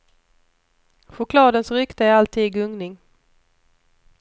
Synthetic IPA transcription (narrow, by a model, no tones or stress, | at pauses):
ɧʊkʰlɑːd̪ənsɾʏkt̪əalt̪ʰiːɡɵŋnɪŋ